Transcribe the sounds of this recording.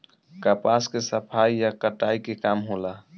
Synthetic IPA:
kapaskesəpʰajjakəʈaikekamɦola

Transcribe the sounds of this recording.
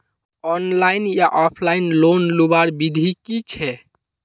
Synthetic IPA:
ɔnlajnjaʔɔpʰlainlonlubaɾbid̪ʱikit͡ʃʰɛ

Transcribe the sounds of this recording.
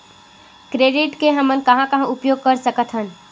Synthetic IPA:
kɾeːɖɪʈkeɦɐmənkɐɦãkɐɦãʊpjoːɡ̚kɐɾsəkət̪ʰɦən

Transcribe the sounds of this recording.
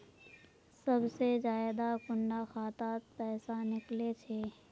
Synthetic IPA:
səbsezaːɪd̪akʊɳɖaxaːt̪aːt̪̚pɛːsanɪklet͡ʃʰeː

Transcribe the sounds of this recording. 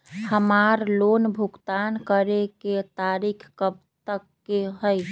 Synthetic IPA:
həmaɾlonbʱukt̪ankəɾeket̪aɾikʰkəp | t̪əkːeɦəj

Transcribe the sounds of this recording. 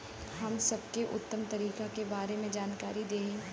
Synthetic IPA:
hɐmsɐb̚keʔʊ̰t̪ːəmt̪ɐɾiːkakebaːɾemẽd͡ʒaːnkaːɾid̪eːẽː

